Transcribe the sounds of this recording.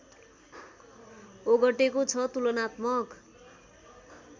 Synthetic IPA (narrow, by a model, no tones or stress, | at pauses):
oɡʌʈekot͡sʰʌt̪ulʌnat̪mʌk